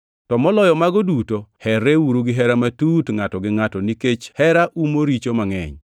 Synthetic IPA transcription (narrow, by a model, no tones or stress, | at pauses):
tɔmɔlɔjɔmaɡɔdutohɛɾeuɾuɡɪɦɛɾamatutŋatɔɡɪŋatɔniket͡ʃhɛɾaʔumoɾit͡ʃomaŋɛ̰ɲ